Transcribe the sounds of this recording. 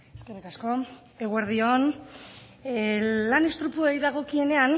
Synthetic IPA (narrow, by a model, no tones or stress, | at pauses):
eske̞rikasko̞ | e̞ɣue̞ɾð̞ion | lanest̪ɾupuejðaɣ̞o̞kie̞ne̞an